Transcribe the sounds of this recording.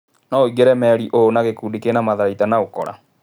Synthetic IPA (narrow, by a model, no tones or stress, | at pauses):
nɔoiɣeɾɛmɛɾiʔoonaɣekuːdikenamaðaɾaitanaokɔ̰ɾa̰